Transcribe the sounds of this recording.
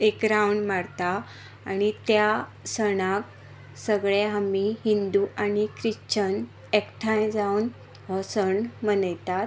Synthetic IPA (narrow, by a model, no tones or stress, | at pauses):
ekɾawɳmaɽt̪aː | ñit̪jasəɽ̃ak | səɡɭeɦamiɦind̪uʔanikɾiɕt͡ɕən | ekʈʰãjd͡zawn | ɦɔsəɳmənəjt̪at̪